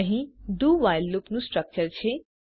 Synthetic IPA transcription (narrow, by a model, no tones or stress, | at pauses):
əɦĩɖuʋajlːupnusʈɾək̚t͡ʃəɾt͡ɕʰe